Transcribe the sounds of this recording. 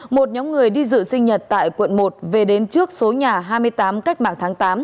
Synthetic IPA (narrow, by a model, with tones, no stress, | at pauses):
mo˨˩t̚ɲɔ˨˦mŋɨ˨˩əjɗi˧zɨ̰˧˨sï˧ŋ̟ɲə˨˩t̚t̪a̰ː˧˨jkwə̰˧˨nmo˨˩t̚ve˨˩ɗe˨˦nt͡ɕɨ˦˥ək̚so˨˦ɲaː˨˩ɦaː˧jmɨ˧əjt̪aː˨˦mka˦˥jk̚ma̰ː˧˨ŋt̪ʰaː˨˦ŋt̪aː˨˦m